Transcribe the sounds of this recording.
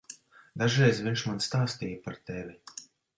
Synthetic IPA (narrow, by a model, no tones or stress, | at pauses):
d̪aʒɾɛjzviɲʲʃmanst̪aːst̪iːjapaɾt̪ɛvʲi